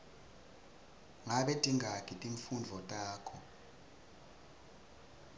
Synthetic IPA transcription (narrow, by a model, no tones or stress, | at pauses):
ŋaɓed̥ʱiŋʱakʰʼitʼiɱfund͡ɮʱɔtʼaːkʰɔ